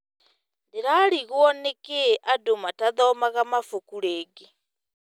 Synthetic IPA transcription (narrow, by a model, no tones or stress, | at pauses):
ndeɾaɾiɣwɔnekeʔadomataðɔmaɣamafokuɾeːɡe